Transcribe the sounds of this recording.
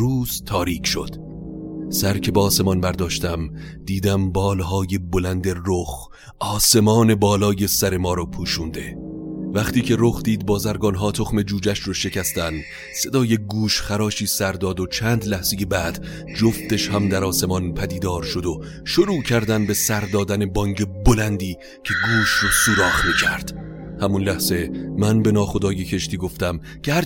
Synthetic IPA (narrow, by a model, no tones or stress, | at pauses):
ɾuːz̥t̪ʰɒːɾiːkʰʃo̞̰d̪̥ | sæɾcʰe̞beɒːsemɒnbæɾd̪ɒːʃt̪æm | d̪iːd̪æmbɒːlɦɒːje̞bolænd̪e̞roχ | ɒːse̞mɒːne̞bɒːlɒːje̞sæɾe̞mɒːɾɒːpʰuːʃund̪e̞væχt̪iːcʰe̞ɾoχd̪iːd̪̚bɒːzæɾɡɒːnɦɒːt̪ʰo̞χme̞d͡ʒuːd͡ʒæʃɾɒːʃe̞cʰæst̪æn | se̞d̪ɒːje̞ɡuːʃχæɾɒːʃiːsæɾd̪ɒːd̪ot͡ʃʰæːnd̪læhz̥e̞je̞bæd̪̥ | d͡ʒoft̪e̞ʃhæmd̪æɾɒːse̞mɒnpʰæd̪iːd̪ɒːɾʃo̞d̪o | ʃoɾuːcʰæɾd̪ænbe̞sæɾd̪ɒːd̪æne̞bɒŋɟe̞bolænd̪iː | cʰe̞ɡuːʃrɒːsuːɾɒːχmiːcʰæɾd̪̥ | hæmunlæhz̥e̞mænbe̞nɒːχo̞d̪ɒːje̞cʰe̞ʃt̪iːɡo̞ft̪æm | cʰehæɾ